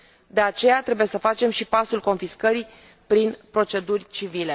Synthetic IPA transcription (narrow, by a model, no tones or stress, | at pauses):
d̪e̞at͡ʃe̞jat̪ɾe̞buje̞səfat͡ʃe̞mʃipasulko̞nfiskəɾi | pɾinpɾo̞t͡ʃe̞d̪urʲt͡ʃivile̞